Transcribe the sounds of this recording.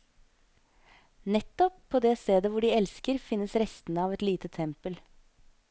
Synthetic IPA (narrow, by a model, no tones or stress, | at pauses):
nɛt̪ːɔpʰːoːd̪eːst̪eːd̪əʋʊɖiːɛlskəɾfɪnːəsɾɛst̪nəɑːʋɛt̪liːt̪ət̪ʰɛmpəl